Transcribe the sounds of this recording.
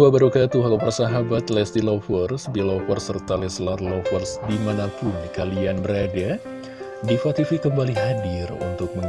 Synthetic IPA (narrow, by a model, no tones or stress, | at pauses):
uwabaɾukat̪uɦalapərsaɦabat̪lɛsdilɔfərsbilɔfərsərt̪alɛslarlɔfərsdimanapʊndikalianbəɾada | difat̪ifikəmbaliɦadɪrṵnt̪ʊk̚məŋ